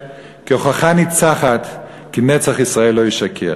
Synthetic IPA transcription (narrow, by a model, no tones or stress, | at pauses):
kioχaχanit͡saχat̪ | kinet͡saχisʁaelːojiʃakʰe